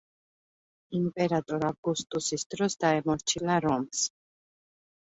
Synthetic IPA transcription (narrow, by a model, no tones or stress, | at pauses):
impʼɛɾat̪ʼɔɾavɡust̪ʼusisd̪ɾɔsd̪aɛmɔɾt͡ʃʰilaɾɔms